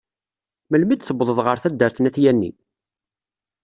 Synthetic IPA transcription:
məlmid̪θəbðˤəðˤʁəɾθæd̪ːəɾθnæθjænːḭ

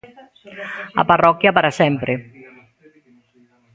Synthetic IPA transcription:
a̰parɔkjapaɾasɛmpɾe

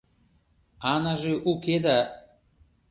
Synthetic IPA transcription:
anaʒeʔuked̪a

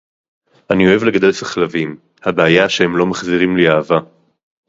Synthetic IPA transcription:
ʔanio̞evle̞ɡad̪e̞lsaχlavim | habeajaʃehe̞mlo̞maχziʁimliaːva

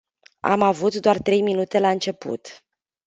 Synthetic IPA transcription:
a̰mavut̪d̪oart̪ɾe̞jminut̪e̞laɨnt͡ʃe̞pṵt̪

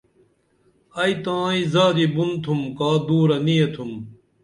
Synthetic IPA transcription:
ɐit̪ãːĩzaːɾibunt̪ʰumkaːd̪uːɾɐnijet̪ʰum

